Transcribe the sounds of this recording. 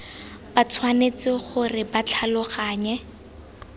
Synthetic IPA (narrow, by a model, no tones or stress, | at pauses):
bat͡sʰwanet͡sɪχʊrɪbat͡ɬʰalʊχaːɲɛ